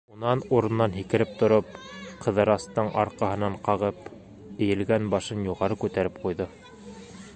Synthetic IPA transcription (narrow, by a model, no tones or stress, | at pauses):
unɑnuɾɤ̆nːɑnɦikɘ̆ɾɘp̚t̪ŏɾop̚qʰɤ̆ðɤ̆ɾɑst̪ɤɴʔɑɾqɑhɤ̆nɑɴqɑʁɤp | ɘ̆jɘ̆lɡænbɑʃɤnjuʁɑɾɤkʉt̪æɾɘp̚qujðɤ